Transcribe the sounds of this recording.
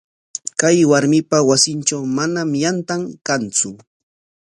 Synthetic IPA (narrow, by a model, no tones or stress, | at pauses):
kajwaɾmɪpawasɪnt͡ʃawmanamjant̪aŋkant͡sʊ